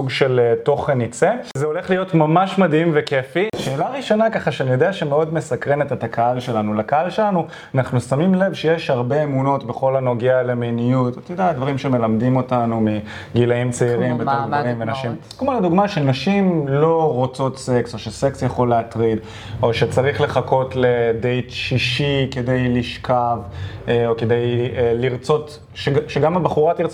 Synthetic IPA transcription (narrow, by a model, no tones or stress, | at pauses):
suɡʃe̞lto̞χenit͡sezeo̞le̞χlijo̞tmamaʃmadimvekefiʃe̞ːlaʁiʃo̞nakaχaʃeanijo̞deaʃemeo̞dme̞sakʁenet̪et̪akʰaalʃe̞lanulakaalʃelanu | anaχnusamimle̞vʃejeʃhaʁbeemuno̞tbe̞χo̞lano̞ɡeale̞menijutat̪jod̪ead̪vaʁimʃeme̞lamdimo̞tanumi | ɡilaimt͡seiʁimbetdaʁimvenaʃim | kmalad̪uɡmaʃenaʃimlo̞ʁot͡sot̪se̞kso̞ʃese̞ksjaχo̞leatʁid̪ | o̞ʃet͡saʁiχle̞χako̞tledejtʃiʃike̞de̞jliʃkʰavoke̞dejliʁt͡so̞t | ʃeʃeɡamabaχuʁatiʁt͡s